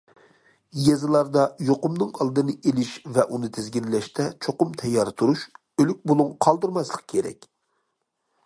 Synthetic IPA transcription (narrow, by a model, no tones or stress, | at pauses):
jɛzɨlˠɑɾd̪ɑjoqʊmnɨŋɑlˠd̪ɨnɨʔelɪʃvɛʔunɨt̪ʰɪzɡʲinlɛʃt̪ɛt͡ʃʰoqʊmt̪ʰɛjːɑːɾɨt̪ʰuɾuʃ | ølyk̚ʲbolˠuŋqʰɑlˠd̪ɨɾmɑslˠəq̚kʲʰeɾɛ̰kʲ